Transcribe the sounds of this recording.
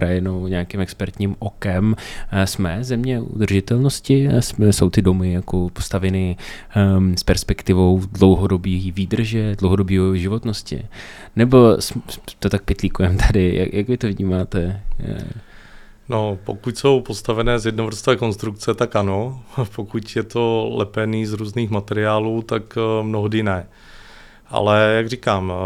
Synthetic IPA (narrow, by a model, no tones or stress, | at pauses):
pɾajɛnowɲaːkɪmɛkspɛɾt̪ɲiːmʔokɛmsmɛzɛmɲɛʔṵd̪r̩ʒɪt̪ɛlnoscɪsmɛso̞wt̪ɪdo̞mɪjakopo̥st̪avɛnɪ | spɛɾspɛkt̪ɪvo̞wdlowɦodobiːviːd̪r̩ʒɛdlowɦodo̞biːoʒɪvo̞t̪noscɪ̰ | nɛbo̞st̪ot̪ak̚pɪt̪likuɛmt̪ʰadɪja̰jʔakvɪt̪ovɲiːmaːt̪ɛ | nopo̞̰kucso̞wpost̪avɛnɛːzjɛdnovɾ̩st̪vɛːko̞nst̪ɾuk̚t͡sɛt̪akʔanopokucjɛt̪o̞lɛpɛniːzɾuːzniːxmat̪ɛɾɪaːluːt̪akmnoɦdɪnɛ | ʔa̰lɛjaɡrikaːm